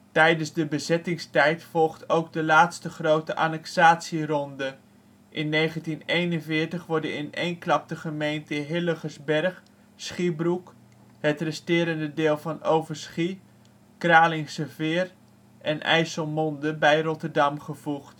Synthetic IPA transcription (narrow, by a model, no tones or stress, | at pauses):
tɛjdənzdəbəzɛtɪŋstɛjtfɔlˠχtʰowɡ̚dəlaːtstəχrowtəʔa̰nɛksaːtsirɔndə | ʔɪnːejχəntinejnənvɪːɹtəχʋɔɹdəɪnḛjnklɑp̚təχəmejntəɦɪləχəsbɛrχ | sχibruk | ɦətrɛstɪːɾəndədɪːlˠvɑnowvəɹsχi | kraːlɪŋsəvɪːr | ʔɛnɛ̰jsəlˠmɔndəbɛjrɔtəɹdɑmχəv̥uχt